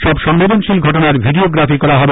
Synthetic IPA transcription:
ʃɔbʃɔŋːed̪onʃilɡʱɔʈonaɾbʱiɖioɡɾafikɔɾaɦɔbe

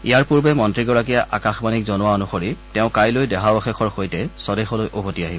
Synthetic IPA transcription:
ijaɹpuɹbɛmɔntɹiɡɔɹak̬ijaʔakaxbanik̚zɔnʊwaɔnuxoɹitɛʊ̃kajlojdɛɦabɔxɛxʰɔɹxojtɛsɔdɛxɔlojʔobʱotiaɦibɔ

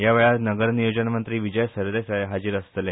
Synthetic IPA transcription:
jaʋeɭanəɡəɾnijod͡ʑənamənt̪ɾiːʋid͡ʑəjsəɾd̪esaɦad͡ʑiːɾəst̪le

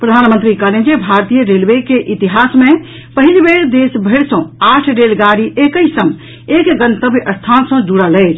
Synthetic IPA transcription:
pɾəd̪ʱanmənt̪ɾikəled͡ʒebʱaɾt̪ijəɾelʋekeʔit̪iɦasmẽ | pəɦilbeɾd̪esbʱeɽsə̃aʈʰɾelɡaɾiʔekəisə̃m | ekɡənt̪əbʔəst̪ʰansə̃d͡ʒuɽələɪt͡ʃʰ

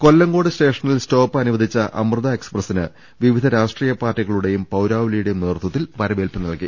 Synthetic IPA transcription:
ko̞lːɐŋɡo̞ːɽɨste̞ːʂɐnilsto̞ːpːɨɐnuʋɐd̪ʱit͡ɕːɐʔɐ̰mrɨðɐe̞ksprɐsinɨ | ʋiʋid̪ʱɐɾaːʂʈriːjɐpaːrʈːiɣɐɭuɽe̞jumpɐwɾaːʋilijuɽe̞jumneːrt̪wɐt̪ːilʋɐɾɐʋeːlpɨnɐlki

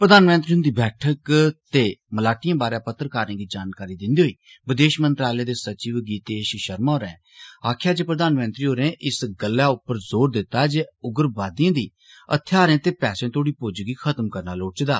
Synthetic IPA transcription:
pɾəd̪aːnmə̃nt̪ɾiːʊ̃nd̪iːbɛːʈʰəkt̪eːməlaːʈɪjãːbaːɾãːpət̪ːɾkaːɾẽːɡiːd͡ʒaːnkaːɾiːd̪ɪnd̪iːɦoiː | ʋɪd̪eːʃmənt̪ɾaːlẽːd̪eːsət͡ʃiːʋɡiːt̪eːʃʃəɾmãːɾɛ̃ː | aːkʰjaːd͡ʒeːpɾəd̪aːnmə̃nt̪ɾiːoːɾẽːʔɪsɡəlːaːʊpːəɾzoːɾd̪ɪt̪ːaːd͡ʒeːʊɡəɾbaːd̪ijãːd̪iː | ə̰t̪ʰːjaːɾẽːt̪eːpɛːsẽːt̪ʰoːɽiːpʊd͡ʒɡiːkʰət̪mkəɾnaːloːʈt͡ʃd̪aː

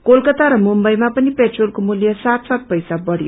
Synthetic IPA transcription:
kolkʌt̪aɾʌmumbʌjmapʌnipeʈrolkomuljʌsat̪sat̪̚pʌjsabʌɽjo

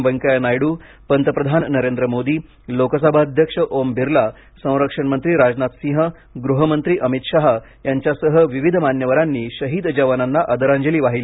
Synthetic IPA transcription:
ʋəŋkajnajɽuː | pənt̪əpɾəd̪ʱannəɾend̪ɾəmod̪iː | lokəsabʱaəd̪ʱjəkʂəʔombʱiɾla | sə̃w̃ɾəkʂəɳmənt̪ɾiːɾad͡znat̪sĩɦə | ɡɾuɦəmənt̪ɾiːʔəmit̪ɕaɦ | jaɲt͡ɕjasəɦəʋiʋid̪ʱəmanjəʋəɾanːiːɕəɦiːd̪d͡ʑəʋananːaʔəd̪əɾaɲd͡ʑəliːʋaɦil

